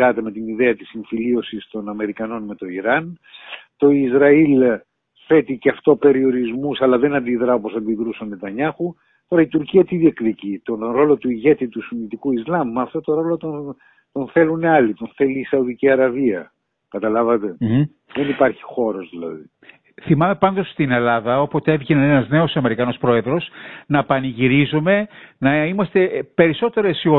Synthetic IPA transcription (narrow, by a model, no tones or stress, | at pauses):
ɐt̪e̞me̞t̪iniðe̞ɐt̪isiɱfilio̞sist̪o̞nɐme̞ɾikɐno̞nme̞t̪o̞iɾɐnt̪o̞izɾɐil | fe̞t̪iceɐft̪o̞pe̞ɾio̞ɾizmusɐlɐðe̞nɐnd̪iðɾɐopo̞sɐnd̪iðɾusɐmet̪ɐɲɐxu | t̪o̞ɾɐit̪uɾciɐt̪iðiekðicit̪o̞nɾo̞lo̞t̪uiʝe̞t̪it̪usunit̪ikuizlɐmːɐft̪o̞t̪o̞ɾo̞lo̞t̪on | t̪o̞nθe̞luneɐlit̪o̞nθe̞liːsɐuðiciɐɾɐviɐ | kɐt̪ɐlɐvɐt̪e̞ | ðenipɐɾçi̥xo̞ɾo̞zðilɐ̰ði | θimɐme̞pɐnd̪o̞st̪ine̞lɐðɐo̞pot̪eevʝinɐenɐzne̞o̞sɐme̞ɾikɐno̞spɾo̞e̞ðɾo̞snɐpɐniʝiɾizume̞nɐimɐst̪e̞pe̞ɾiso̞t̪e̞ɾesio